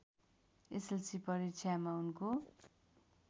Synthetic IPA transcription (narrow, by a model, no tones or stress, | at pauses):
eselsipʌɾit͡sʰjamaunko